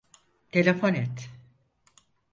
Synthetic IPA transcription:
t̪ʰelʲefonɛt̪

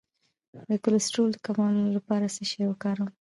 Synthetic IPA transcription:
wakʊlsʈuld̪əkamɑlolapɑɾasəʃawəkɑɾəm

